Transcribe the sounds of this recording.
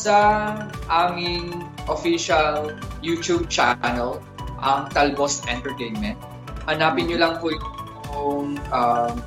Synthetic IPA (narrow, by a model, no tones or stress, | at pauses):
sɐʔaːmɪŋʔofiʃɐljuːt̪ub̚t͡ʃa̰nɛl | ʔɐŋt̪ɐlbosʔɛnt̪ɛɹt̪ejnmɛnt̪̚ | hɐnaːpɪnɲʊlɐŋpoj | oŋʔɐm